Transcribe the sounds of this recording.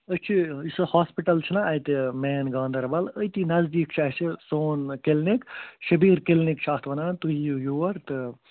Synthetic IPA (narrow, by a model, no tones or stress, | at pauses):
ət͡ʃʰiisɨhaːspiʈɐlt͡ʃʰinɐɐjt̪emeːnɡãːnd̪ɐɾbɐləjt̪inɐzd̪iːkt͡ʃʰɐɦsʰisoːnkelnikʃɐbiːɾkelnikt͡ʃʰaːt̪ʰʋɐnaːnt̪uɦijujuːʋɐɾt̪ɨ